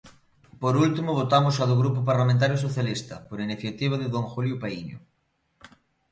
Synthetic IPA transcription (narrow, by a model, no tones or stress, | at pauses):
poɾult̪imʊβ̞ot̪amʊsaðʊɣɾupʊpaɾlamẽnt̪̬aɾjʊs̬oθjalist̪ɐpoɾiniθjat̪iβ̞aðɪðoŋxuljʊpaiɲʊ̰